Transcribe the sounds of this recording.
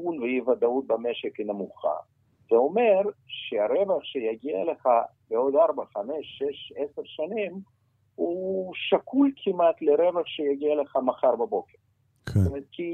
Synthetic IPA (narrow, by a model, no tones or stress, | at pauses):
unvejivad̪aut̪̚bameʃekinamuχa̰ | z̥eomeɾʃeaɾevaχʃejaɡia̰leχa | beod̪aɾbaχameʃːeʃeseʁʃanim | huʃakʰulkʰimat̪leɾevaχʃejaɡialeχamaχaɾbabo̞keɾ | ktt̪omeɾt̪̚kʰi